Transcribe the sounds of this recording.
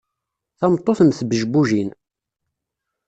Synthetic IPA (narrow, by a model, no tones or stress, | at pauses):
θɑmt̪ˤːoθəmθbəʒbuʒin